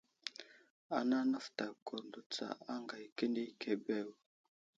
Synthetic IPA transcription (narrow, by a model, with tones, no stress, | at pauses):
a˨na˦nə˦fta˨ko˨ɾndu˨t͡sa̰˨a˦ŋɡa˨jkə˦ndi˦kʰe˨be˦˨w